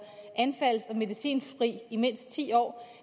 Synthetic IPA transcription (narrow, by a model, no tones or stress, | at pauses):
ʔænfæl̰sɒ̽me̝ðˠisḭːnʁḭːime̝n̰sd̥̚t͡sʰḭːɒ̰ː